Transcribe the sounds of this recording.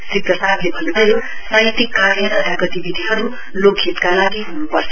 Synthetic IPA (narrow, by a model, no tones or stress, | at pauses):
sɾiprʌsad̪lebʱʌnuʌjo | sʌjt̪ikːaɾjʌɾʌaɡʌt̪ibid̪ʱiɦʌɾu | lokʰːit̪kalaɡiɦunupʌrt͡sʰ